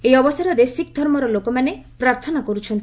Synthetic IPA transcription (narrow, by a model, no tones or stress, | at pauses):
ejɔbɔsaɾɔɾesikd̪ʱɔɾmɔɾɔlokɔmanepɾaɾt̪ʰɔnakɔɾut͡ʃʰɔnt̪i